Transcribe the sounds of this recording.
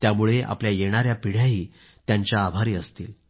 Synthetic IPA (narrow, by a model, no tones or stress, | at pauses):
t̪jamuɭeʔa̰pljajeɽ̃aɾjapiɽjaɦiː | t̪jaɲt͡ɕjaːbʱaɾiːəst̪iːl